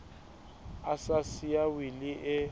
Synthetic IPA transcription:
asasiawilɪʔɪ

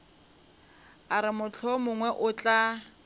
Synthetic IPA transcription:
aɾɪmʊt͡ɬʰɔmʊŋwɛʔʊt͡ɬʼa

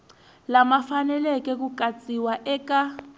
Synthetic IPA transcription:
lamafanɛlɛkɛk̬ukʼat͡sʼiwaʔɛka

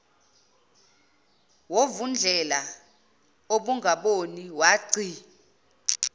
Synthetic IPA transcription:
wovund͡ɮʱɛla | oɓuŋɡʱaɓoniwaːǀi

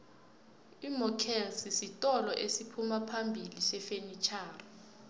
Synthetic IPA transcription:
imɔkʰɛlsisitʼɔlɔʔesipʰumapʰambʱilisɛfenit͡ʃʰaːrɔ

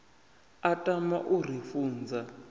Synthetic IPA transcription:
atʼama̰ʔur̤ifuːnd͡za

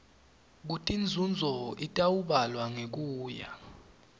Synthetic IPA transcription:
k̬utʰʼind͡zʱund͡zʱɔitʼawuɓalwaŋek̬uːja̰

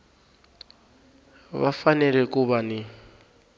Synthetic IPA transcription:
βa̰fanɛlɛkʼuβani

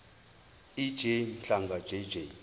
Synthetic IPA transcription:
id͡ʒen̩ɬaŋɡad͡ʒed͡ʒe

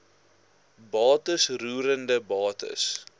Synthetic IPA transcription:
bɑːtəsruːɾəndəbɑːtə̰s

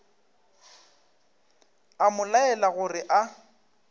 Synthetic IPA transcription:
amʊlaɛlaɣʊrɪʔa

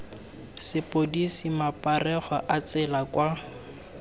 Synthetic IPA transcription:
sɪpodisimapʼarɛχɔʔat͡sɪlakwa

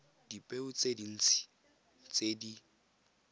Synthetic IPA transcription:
d̥ipʼeʊt͡sʼedin̩ːt͡sʰi̥ | t͡sedi

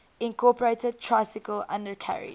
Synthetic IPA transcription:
ɪ̃nkʰɔːˑpəɹetəd̚tʰɹaɪsɪkəlã̰ndəkʰa̰ɹḭ

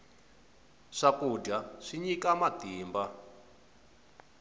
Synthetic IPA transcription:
ʂakud͡ʒaʂiɲikamatiːmba

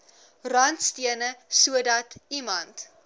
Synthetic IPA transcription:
rɐntstiənəsuədɐtimɐnt

